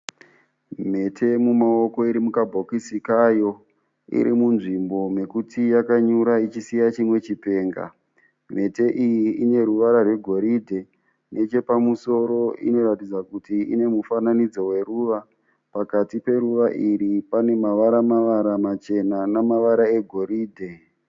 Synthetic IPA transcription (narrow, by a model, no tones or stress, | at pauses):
m̤e̞tʰe̞mumao̞ko̞iɾimukabʱokisikajo̞ | ḭɾḭmunʐimbo̞me̞kutʰijakaɲuɾait͡ʃisijat͡ʃimwe̞t͡ʃipe̞ːŋɡa̰ | m̤e̞te̞ʔijiine̞ɾuʋaɾarwe̞ɡʱo̞ɾidʱe̞ | nʔe̞t͡ʃe̞pamuso̞ɾo̞ḭno̞ɾatid͡zakutiḭne̞mufananid͡zo̞we̞ruʋa | pakatipe̞ɾuʋaʔiɾipane̞maʋaɾamaʋaɾamat͡ʃe̞nanamaʋaɾae̞ɡʱo̞ɾiːdʱe̞